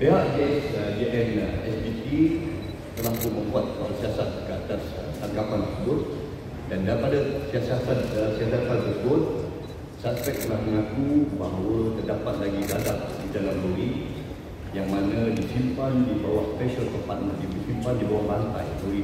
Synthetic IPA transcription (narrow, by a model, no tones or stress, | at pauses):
peɦaʔd͡ʒɛsd͡ʒeʔɛnɛsbipi | t̪ərlakuməmbuat̪̚aɾasiasat̪̚kəat̪ast̪aŋɡapant̪əsəbʊt̪̚ | dandaɾipadasiasasat̪̚siasat̪̚santəsəbʊt̪̚ | saspɛk̚t̪əlahməŋakubaɦawət̪ərdapat̪̚laɡiɡadaʔdidalamloɾi | jaŋmanə̃disimpandibawahspɛʃəlk̪əmpat̪̚mə̃nabisimpandibawahbant̪a̰jluɾi